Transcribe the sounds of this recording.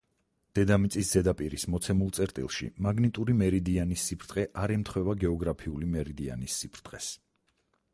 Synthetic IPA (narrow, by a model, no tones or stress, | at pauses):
d̪̥ɛd̪amit̪sʼisz̥ɛd̪apʼiɾismɔt̪sʰɛmulˠt̪sʼɛɾt̪ʼḭlˠʃḭmaɡnit̪ʼuɾimɛɾid̪ianisːipʰɾt̪ʼqʼɛʔaɾɛmt̪ʰχwɛvaɡɛɔɡɾapʰiulimɛɾid̪ia̰nisːipʰɾt̪ʼqʼɛs